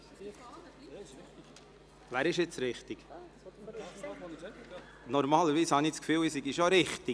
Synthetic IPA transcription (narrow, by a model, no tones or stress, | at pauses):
væːɾɪʃɪt͡sɾɪχt̪iɡ̥ | nɔɾmɑːləɾviːshɑnit͡skfyːwisiɡiʃoɾɪχt̪ɪ